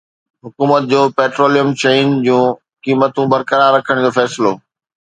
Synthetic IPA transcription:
ɦʊkuːmət̪̚d͡ʑoːpeːʈɾoːlijəmt͡ɕeɪnd͡ʑũː | kiːmət̪ũbɐɾkəɾaːɾːɐkʰəɽ̃d͡ʑoːfɛːsɪloː

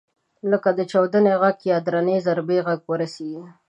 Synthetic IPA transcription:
ləkad̪ət͡ʃawd̪əneɣaɡjɑd̪ɾanezaɾbeɣaɡwəɾaseɡi

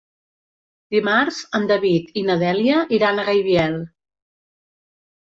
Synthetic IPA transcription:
d̪̥imaɾzənd̪əβit̪inəðɛljəʔiɾanəɣajβiɛlˠ

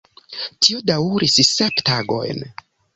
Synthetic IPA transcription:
tʰiodawɾisseptaɡo̞̰jn

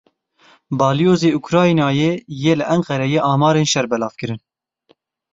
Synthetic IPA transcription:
bɑːlijoːzeːukʰɾɑːinɑːjeːjeːlɨʔɛŋqɛɾɛjeːʔɑːmɑːɾeːnʃɛɾbɛlɑːvkɨɾɨn

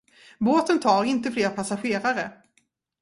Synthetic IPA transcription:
boːt̪ənt̪ʰɑːɾɪnt̪əfleːɾpʰasaɧeːɾaɾə

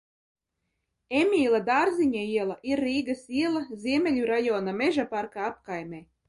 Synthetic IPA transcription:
emʲiːlˠad̪aːɾziɲaiɛlˠaʔiɾːiːɡasiɛlˠazʲiɛmʲelʲuɾajɔːnameʒapaɾkaap̚kajmʲeː

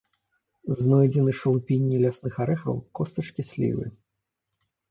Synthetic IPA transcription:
znɔjd͡zʲɛnɨʂɐlˠupʲinʲːilʲasnɨxaɾɛxɐ̰wkɔst̪ɐt͡ʂkʲisʲlʲḭvɨ̰

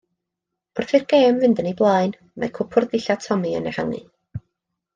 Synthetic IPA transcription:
b̥ɔrθirɡ̥eːmvɪndənejblˠaːɨn | ma̰jkʰʊpʰʊrðɪɬatʰɔmiə̰nɛ̰haŋɨ̰

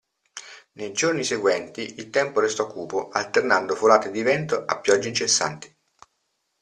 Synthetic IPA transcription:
nejd͡ʒorniseɡwɛnt̪iilt̪ɛmpoɾest̪ɔkʰːuːpoalt̪ernand̪ofolaːt̪ed̪ivɛnt̪oʔapːjɔd͡ʒːeint͡ʃesːa̰nt̪i̥

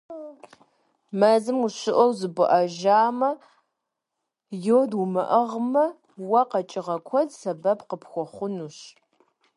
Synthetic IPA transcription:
mɐzɨmuɕɪʔɔwzɨbʊʔɐʒaːmɐ | joːdʊmɐʔɐʁmɐ | wɐqɐt͡ʃʼɪʁɐkʷʰɔdsɐbɐpqəpxʷɔχʷʊnuːɕ

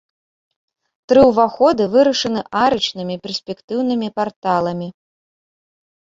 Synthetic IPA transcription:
t̪ɾɨwvaxɔd̪ɨvɨɾɐʂɐnɨʔaɾɨt͡ʂnɨmʲipʲɛrsʲpʲɛkt̪ɨwnɨmʲipart̪alˠɐmʲi

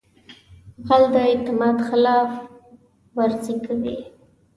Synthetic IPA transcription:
ɣald̪əɪt̪ɪmɑd̪xɪlɑf | waɾzikawḭ

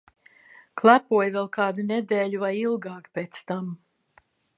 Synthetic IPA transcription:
klˠæpuɔjvɛlˠkɑːd̪uned̪ɛːʎuvajilˠɡɑːkpʲeːt̪st̪am

